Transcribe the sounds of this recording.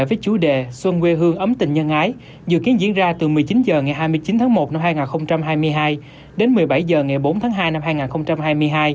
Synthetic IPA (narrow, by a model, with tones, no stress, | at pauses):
vəː˨˦jt͡ɕu˨˦ɗe˨˩swə˧nwe˧ɦɨ˧əŋʔə˨˦mt̪ï˨˩ŋ̟ɲə˧nʔaː˨˦j | zɨ̰˧˨ki˨˦ənzḭ˧˨ənzaː˧t̪ɨ˨˩mɨ˨˩əjt͡ɕi˨˦nzəː˨˩ŋa˨˩jɦaː˧jmɨ˧əjt͡ɕi˨˦nt̪ʰːŋmo˨˩t̚na˧mhaː˧jŋaː˨˩nxə˧wŋ͡mt͡ɕa˧mɦaː˧jmɨ˧əjɦaː˧j | ɗe˨˦nmɨ˨˩əjɓa˧˩jzəː˨˩ŋa˨˩jɓo˨˦nt̪ʰaː˨˦ŋɦaː˧jna˧mhaː˧jŋaː˨˩nxə˧wŋ͡mt͡ɕa˧mhaː˧jmɨ˧əjɦaː˧j